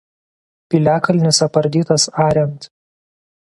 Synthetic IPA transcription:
pʲilʲæːkɐlʲnʲɪsɐpɐɾʲd̪ʲiːt̪ɐsɑːɾʲɛnt̪

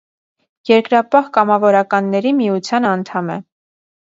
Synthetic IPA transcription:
jɛɾkɾɑpɑhkɑmɑvɔɾɑkɑnːɛɾimiut͡sʰjɑnɑnt̪ʰɑmɛ̰

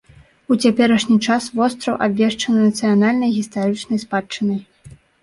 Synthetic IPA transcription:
ut͡sʲapʲɛɾɐʂnʲit͡ʂasvɔst̪ɾɐwʔabʲvʲɛʂt͡ʂɐnɐnɐt̪sɨjanalʲnɐjɣʲist̪aɾɨt͡ʂnɐjspat͡ʂːɨnɐj

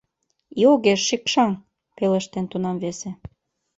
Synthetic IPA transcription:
ioɣeʃːikʃɑŋ | pelə̆ʃt̪ent̪unɑmβese

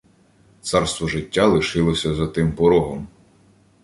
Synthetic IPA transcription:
t̪sɑrst̪ʋɔʒɪtʲːalˠɪʃɪlˠɔsʲɐzɐt̪ɪmpɔɾɔɦɔm

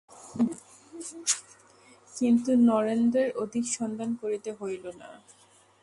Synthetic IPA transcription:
kint̪unɔɾend̪ɾeɾod̪ʱikʃɔnd̪ankoɾit̪eɦojlona̰

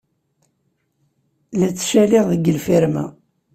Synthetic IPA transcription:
læt͡sːʃæliʁðəɡːəlfiɾmæ̰

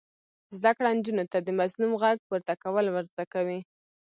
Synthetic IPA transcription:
zd̪akɽand͡ʒunot̪ad̪əmazlumɣaɡ̚puɾt̪akawəlwəɾzd̪akawi

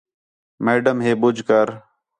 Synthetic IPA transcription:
meːɖəmɦeːɓʊd͡ʒʱkəɾ

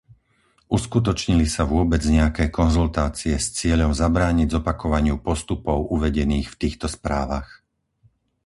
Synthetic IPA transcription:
ʔuskut̪ɔt͡ʃɲilisaʋʊɔbɛd͡zɲɛakɛːkɔnzult̪aːt͡siɛst͡sɪɛʎɔmzabɾaːɲiɟzɔpakɔʋaɲɪupɔst̪upɔʊʔuʋɛɟɛniːxft̪iːxt̪ɔspɾaːʋax

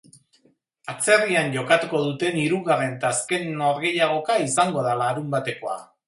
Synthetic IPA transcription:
at͡se̞rianʝo̞kat̪uko̞ðut̪e̞niɾuɣare̞nt̪aːske̞no̞ɾɣe̞jaɣ̞o̞kaisaŋɡo̞ðalaɾumbat̪e̞ko̞a̰

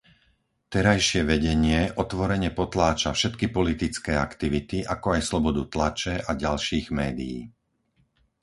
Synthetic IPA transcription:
t̪ɛɾajʃɪɛʋɛɟɛɲɪɛʔɔt̪ʋɔɾɛɲɛpɔt̪laːt͡ʃafʃɛt̪kipɔlit̪it͡skɛːakt̪iʋit̪iʔakɔajslɔbɔd̪ut̪lat͡ʃɛʔaɟalʃiːɣmɛːd̪ḭjḭː

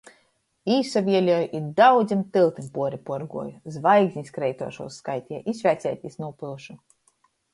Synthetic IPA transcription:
iːsavʲiɛlʲɔjʔid̪awd̪zʲimt̪ɨlˠt̪impuɔɾipuɔɾɡuɔjuzvajɡzʲɲiskɾɛjt̪uɔʃṵɔsːkajt̪ʲiɛʔisvʲæːt̪sʲɛːt̪ʲisnupɨlˠʃu

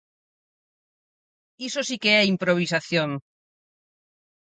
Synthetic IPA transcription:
isosikeɛimpɾoβ̞isaθjoŋ

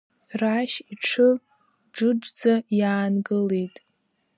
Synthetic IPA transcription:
raʃiʈ͡ʂʰɨ | ʈ͡ʂɨd͡ʒd͡zajaːnɡɨlejtʼ

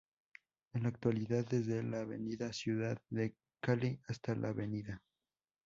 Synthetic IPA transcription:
enlaːk̚t̪waliðaðːe̞zðelaβe̞̰niðasjuðaðːe̞ | kaliast̪alʔa̰ːβeniða

